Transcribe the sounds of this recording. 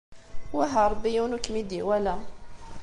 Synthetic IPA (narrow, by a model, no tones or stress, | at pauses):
wæɦəɾˤbijunukmid̪iwælæ